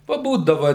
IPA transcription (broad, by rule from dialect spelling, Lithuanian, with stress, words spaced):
pɐˈbuːdɐʋɐ